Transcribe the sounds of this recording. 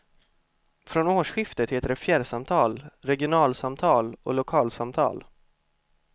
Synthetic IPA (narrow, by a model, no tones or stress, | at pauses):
fɾɔnoːʂɧɪft̪ət̪heːt̪əɖɛfjæːɖ̪samt̪ʰɑːlɾɛɡɪʊnɑːlsamt̪ʰɑːlɔ̰lʊkʰɑːlsamt̪ʰɑ̰ːl